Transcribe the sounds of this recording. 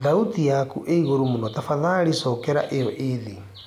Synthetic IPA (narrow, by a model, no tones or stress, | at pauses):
ðautijakuʔeiɣoɾomonɔtafaðaɾisɔːkɛɾa̰ʔejɔʔeði